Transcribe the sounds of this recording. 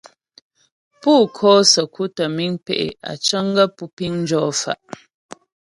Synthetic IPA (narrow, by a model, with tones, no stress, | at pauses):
puː˦˨kʰɔː˦sə˨kʰu˦tə˨mi˦ŋpɛ˦˨ʔḛ˨a̰˨t͡ʃə˦ŋɡə˦pu˦pi˦ŋn˦d͡ʒɔː˦fa̰˨ʔ